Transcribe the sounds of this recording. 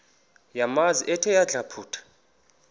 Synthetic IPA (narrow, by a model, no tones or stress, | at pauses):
jamaziʔɛtʰɛjaɮʱapʰuːtʰḁ